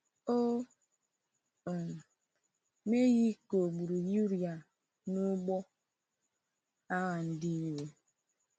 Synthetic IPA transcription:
o˦˨ | me˦ɣi˦ko˨ɡ͡bu˨ɾu˨ju˦ɾi˨a˨ | nu˦ɡ͡bɔ˦ | a˦ɣa˨n̩˦di˦ɾwe˦

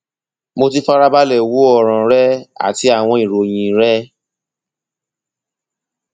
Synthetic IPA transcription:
mo˧ti˧˦fa˦ɾa˦ba˦lɛ˨wo˦ɔ˦˨ɾ̃ã˨ɾɛ˦a̰˦˨ti˧˦a˦˨w̃ɔ̃˧i˨ɾo˨j̃ĩ˨ɾɛ˦

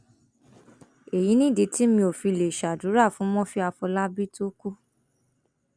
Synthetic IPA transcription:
e˨ji˨˦nĩ˦˨de˨˦ti˦mĩ˧o˨fi˧le˨ʃa˨du˨˦ɾa˦˨fũ˨˦mɔ̃˦fi˦a˧fɔ˧la˦bi˦to˦ku˦

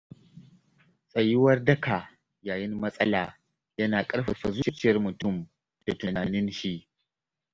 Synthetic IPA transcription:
sʼɐ˨jɪ˦wɐ˦rdɐ˦kʰa˨ | jaː˨jɪ˦nmɐ˦sʼɐ˦laː˨ | jɐ˦naː˨kʼɐ˦ɽɸɐ˨ɸɐ˨zu˦ʃɐ˦t͡ʃɪ˦jɐ˦rmʊ˨tʊ˦˨m | d̥a˨tʊ˨naː˨nɪ˦nʃi˦ʔ

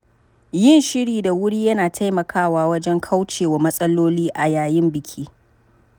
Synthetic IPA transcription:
jɪ˦˨nʃɪ˦ɽiː˨da˨wʊ˦ɽiː˦jɐ˦naː˨tʰa˦jmɐ˨kʰaː˦˨waː˦wɐ˦d͡ʒɛ˦ŋkʰa˦wt͡ʃeː˨wa˨mɐ˦sʼɐ˦loː˦liː˦ʔa˨jaː˨jɪ˦mbɪ˨kʲʰiː˦

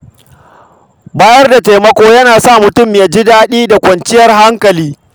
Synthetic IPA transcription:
baː˦jɐ˦rda˨teː˨mɐ˦kʷoː˦jɐ˦naː˨sa˦˨mʊ˨tʊ˦mjaː˦d͡ʒi˦daː˦ɗiː˦da˨kʷɐ˨nt͡ʃɪ˦jɐ˨rɦa˦ŋkɐ˨liː˦

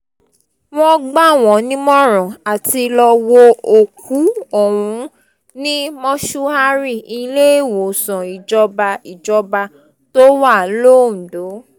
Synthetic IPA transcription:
w̃ɔ̃˦ɡ͡ba˦w̃ɔ̃˨nĩ˦mɔ̃˦˨ɾ̃ɔ̃˨a˨ti˧lɔ˧wo˧o˨ku˨˦ɔ˨wũ˨˦ | nĩ˦mɔ̃˦ʃu˦a˧ɾi˦˨i˧le˦e˦˨wo˨sɔ̃˨i˨d͡ʒɔ˧ba˧i˨d͡ʒɔ˧ba˧ | to˦wa˦˨˦lo˦˨n̩˨do˨˦

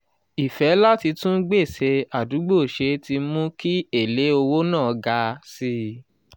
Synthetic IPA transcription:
i˨fɛ˨˦la˦ti˧tũ˦ɡ͡be˦˨se˧a˨du˨˦ɡ͡bo˦˨ʃe˨˧˦ti˧mũ˦ki˦e˦˨le˨˦o˧wo˦nãː˦˨ɡa˧si˧

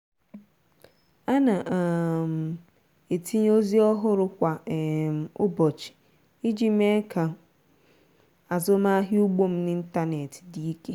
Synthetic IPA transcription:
a˦na˨ʔa˨m̩˨ | e˨tʰi˦ɲ˦o˦zi˦ɔ˦ɦʊ˦ɾʊ˨kʷa˨m̩˨ʊ˦bɔ˨t͡ʃi̥˨ | i˦d͡ʒi˦m˦e˦kʰa˨ | a˨zʊ˦ma˦ɦɪ˦u˦ɡ͡bo˦m̩˦nɪ˦n̩˦ta˦ne˨ti̥˨di˦i˦ke˦

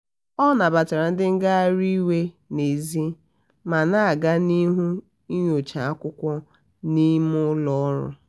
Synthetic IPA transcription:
ɔ˦na˨ba˨ta˨ɾa˨n̩˦dɪ˦ŋ̩˦ɡa˦a˦ɾi˦we˦ | ne˨zi˦ | ma˨na˦a˨ɡa˦ni˦ɦu˦ | i˦ɲ˦o˨t͡ʃa˨a˦kʷʊ˦kʷɔ˦ | ni˦mʊ˦lɔ˦ɾʊ̰˦

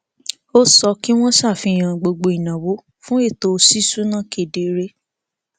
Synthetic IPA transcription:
o˦sɔ˧ki˦w̃ɔ̃˦sa˦˨fĩ˧˦˨j̃ã˨ɡ͡bo˧ɡ͡bo˧i˨nã˨wo˨˦ | fũ˦e˦˨to˧si˦su˦nã˦˨ke˨de˨˦ɾe˦

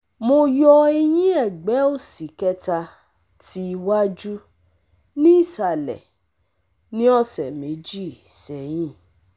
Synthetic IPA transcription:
mo˧jɔ˧e˧j̃ĩ˦ɛ˦˨ɡ͡bɛ˨˦o˦˨si˨kɛ˦ta˧ | ti˦˧wa˦d͡ʒu˦ | nĩ˦i˦˨sa˨lɛ̰˨ | nĩ˦ɔ˦˨sɛ˨me˨˦d͡ʒi˦˨sɛ˨jĩ˦˨

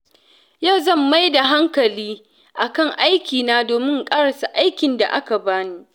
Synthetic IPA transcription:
ja˦˨wzɐ˦˨mːa˦jda˨ɦa˦ŋkɐ˨liː˦ | ʔa˨kɐ˦˨ŋʔa˦jkʲiː˨naː˦doː˨mɪ˦ŋkʼaː˦ɽɐ˨sa˨ʔa˦jkʲɪ˨nda̰˨ʔa˦ka˨baː˦niː˦

